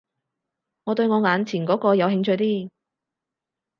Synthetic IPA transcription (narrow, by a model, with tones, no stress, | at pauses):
ŋɔː˨˧t̪ɵ˧ɥŋɔː˨˧ŋaː˨˧nt͡sʰiː˨˩nkɔː˨˥kɔː˧jɐ˨˧wɦɪ˧ŋt͡ʃʰɵ˧jt̪iː˥